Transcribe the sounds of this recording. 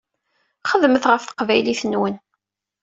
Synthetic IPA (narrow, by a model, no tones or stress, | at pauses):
χəðməθʁəfθə̥qvæjliθənːwən